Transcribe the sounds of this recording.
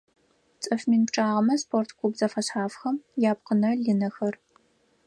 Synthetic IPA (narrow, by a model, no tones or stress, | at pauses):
t͡sʼɐfmiːnpʈ͡ʂʼaːʁɐmɐspʰortʰkʷʰubzɐfɐɕħaːfxɐmjaːp̚qənɐɮinɐxɐr